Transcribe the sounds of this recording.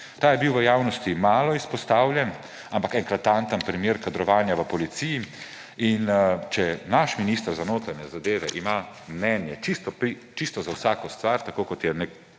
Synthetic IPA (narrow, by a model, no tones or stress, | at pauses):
t̪aːjɛbiwʋəjaːwnɔst̪imaːlɔispɔst̪aːwljɛn | ampakɛŋkɾat̪ːant̪ənpɾimjeːɾkad̪ɾɔʋaːnjaʋəpɔlit̪siji | int͡ʃɛnaʃminiːst̪əɾzanoːt̪ɾanjɛzad̪eːʋɛʔima | mnɛnjɛt͡ʃist̪ɔpi | t͡ʃist̪ɔzawsaːkɔst̪ʋaɾt̪akoːkɔt̪jɛnek